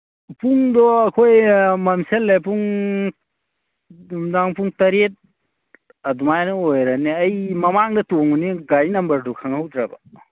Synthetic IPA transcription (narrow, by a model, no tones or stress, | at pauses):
puŋdɔɐkʰojmɐmselːepuŋ | mdaŋpuŋtɐɾet̚ | ɐdumajnɯojɾaniɐjmɐmaŋdɐtoŋuniɡajnɐmbɐɾdukʰaŋɦɐwdɾabɐ